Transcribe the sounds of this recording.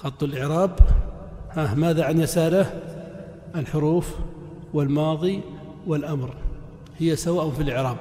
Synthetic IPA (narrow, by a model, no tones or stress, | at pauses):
xɑt̪ˤːʊlʔɪʕɾaːb | hamaːðaʕanjasaːɾa | ʔɪlħʊɾuːf | wɪlmɑːðˤi | wɪlʔamɾ | hɪjːasawaːʔfilʔɪʕɾɑːb̚